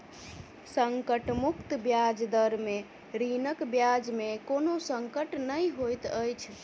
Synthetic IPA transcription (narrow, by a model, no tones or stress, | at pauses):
səŋkəʈmukt̪bjad͡ʒd̪əɾme | ɾinəkbjad͡ʒmekonosəŋkəʈnəjɦojt̪əjt͡ʃʰ